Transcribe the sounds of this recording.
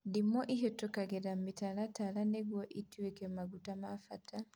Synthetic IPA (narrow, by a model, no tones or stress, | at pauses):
dimɔʔiɦetokaɡeɾamitalatalaneɡwoʔitiwekemaɡutamafatʰa